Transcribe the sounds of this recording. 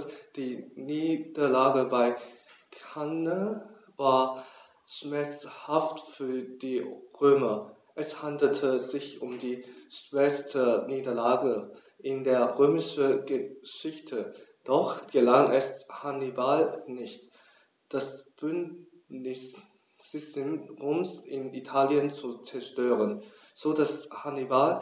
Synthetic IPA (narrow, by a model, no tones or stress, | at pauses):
sd̥iːniːd̥ɐlaːɡəbaɪ | kʰanə | vaːɐ | ʃmɛɐt͡shaftfyːɐd̥iːʁøːmɐ | ʔɛshandl̩tʰəzɪçʔʊmdiːʃv̥ɛstʰəniːdɐlaːɡə | ʔɪndeːɐʁøːmɪʃəɡəʃɪçtʰəd̥ɔχɡ̥əlaŋʔɛshanibalnɪçt | d̥asb̥ʏnt | nɪs | ɪsɪnʁoːmsʔɪnitʰaːljənt͡sut͡sɛɐʃtøːʁən | z̥oːdashanibal